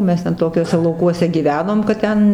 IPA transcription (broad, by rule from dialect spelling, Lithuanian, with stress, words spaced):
ˈmʲɛs tʲɛn ˈtoːkʲuɔsʲɛ lˠɐʊˈkuɔsʲɛ ɡʲiːˈʋʲæːnoːm kɐt ˈtʲɛn